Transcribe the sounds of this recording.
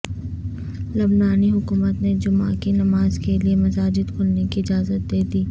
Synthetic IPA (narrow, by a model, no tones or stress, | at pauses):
lɐbnaːniɦʊkuːmət̪ned͡ʒʊmakinɐmaːzkeliemɐsaːd͡ʒɪd̪kʰʊlnekiɪd͡ʒaːzət̪̚d̪eːd̪iː